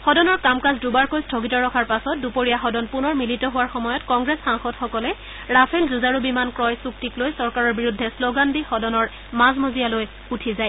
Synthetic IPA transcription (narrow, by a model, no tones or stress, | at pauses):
xɔdɔnɔɹkamkazdubaɹkojstʰoɡitɔɹɔkʰaɹpasɔt̚dupoɹijaxɔdɔnpunɔɹmilitɔɦʊwaɹxɔmɔjɔtkɔŋɡɹɛsxaŋxɔdxɔkɔlɛ | ɹapʰɛlzuzaɹubimankɹɔjsuktiklojsɔɹkaɹɔɹbiɹudʱːɛsloɡandixɔdɔnɔɹ | mazmozijaloj | utʰizaj